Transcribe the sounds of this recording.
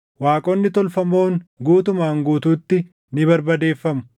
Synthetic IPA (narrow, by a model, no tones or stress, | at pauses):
waːkʼoːnːɪt̪ɔlfɐmo̞ːŋɡuːt̪ʊmaːŋɡuːt̪uːt̪ːɪ | nɪbɐɾbɐd̪e̞ːfːɐmʊ̥